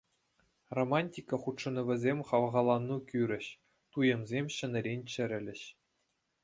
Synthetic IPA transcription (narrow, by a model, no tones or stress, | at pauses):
romɑnʲtʲikɑχut̪ʂɤ̆nɤ̆ʋʲɘ̆zʲemʲχɑʋʁɑlˠɑnːukʲyɾʲɘ̆ɕ | t̪ujɤ̆mzʲemʲɕɘ̆nʲɘ̆ɾʲenʲt͡ɕɘ̆ɾʲɘ̆lʲɘ̆ɕ